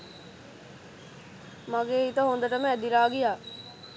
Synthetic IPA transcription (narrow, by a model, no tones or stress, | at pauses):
mɐɡeːit̪əɦõːnd̪əʈəmɛ̃ːd̪iɾaːɡijaː